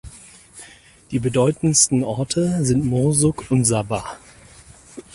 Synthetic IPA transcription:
d̥iːbədɔʏtn̩stn̩ʔɔɐtʰəzɪntmɔːzʊkʊntz̥abaː

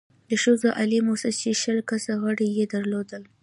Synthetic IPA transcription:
d̪əʃəzoʔalimosast͡ʃeʃəlkasaɣəɽijed̪əɾlod̪əl

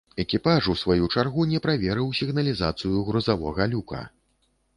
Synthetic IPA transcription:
ɛkʲipaʐusvajut͡ʂarɣunʲɛpɾavʲɛɾɨwsʲiɣnɐlʲizat̪sɨjuɣɾuzavɔ̰ɣɐlʲukɐ̰

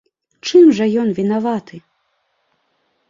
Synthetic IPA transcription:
t͡ʂɨmʐɐjɔnvʲin̪avat̪ʰɨ

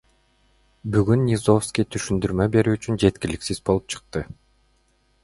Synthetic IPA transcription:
byɡynːʲizo̞fskʲijt̪ʰyʃynd̪yɾmøbe̞ɾyːt͡ʃynd͡ʒe̞t̪kʲiliksizbo̞lˠup̚t͡ʃʰɯ̥q̚t̪ɯ

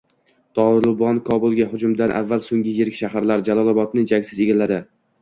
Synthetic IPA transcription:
t̪ʰɒlɪbɒnkʰɒbʊlˠɡʲaɦʊd͡ʒʊmd̪anʔa̰vːalsoŋɡʲɪjeɾɪkʲʃaɦaɾlaɾd͡ʒalˠɒlˠɒbɒt̪nɪd͡ʒaɡʲsɪzeɡʲɪlːad̪ɪ

